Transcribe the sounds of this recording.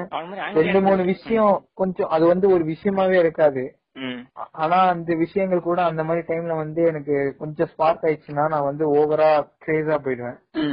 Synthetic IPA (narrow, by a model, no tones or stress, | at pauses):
ɾɛɳɖɯmuːnɯʋɪʂɐjɔ̃kɔɲd͡ʒɔ̃ʔɐðɯʋɐnd̪ɯɔɾɯʋɪʂɐjɐmaːʋeːɪɾɯkːaːðɯ | aːnaːɐnd̪ɐʋɪʂɐjɐŋɡɐɭkuːɽɐːnd̪ɐmaːd̪ɾiʈɐɪmlɐʋɐnd̪ɯɛnɐkːɯkɔɲd͡ʒɔ̃spaːɾt̪aːjt͡ʃːɯnːaːnãːʋɐnd̪ɯoːʋɐɾaːʈɾeːsaːp̬oːjɪɾɯʋẽː